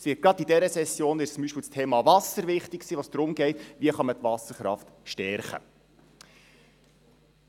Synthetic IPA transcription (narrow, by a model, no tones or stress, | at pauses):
sʋɪːt̚ɡ̥ɾɑdidɛɾəsɛsjoːnʋɪt͡sʊmbiʃpiːlstʰeːmɑvɑsəɾʋɪχtɪksiːʋoːsd̥ɾʊmɡɛɪtʋiəχɑmət̪ʋɑsəɾχɾɑ̰ft̪ | ʃtɛɾχə̰